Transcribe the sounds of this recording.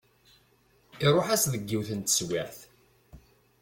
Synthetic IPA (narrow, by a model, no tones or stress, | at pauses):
iɾˤoħæsðəɡːiwθənt̪ə̥swæɾθ